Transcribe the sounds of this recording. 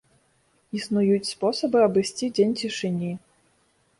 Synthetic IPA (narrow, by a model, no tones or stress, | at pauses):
isnujut͡sʲspɔsɐbɨɐbɨsʲt͡sʲid͡zʲenʲt͡sʲiʂɨnʲi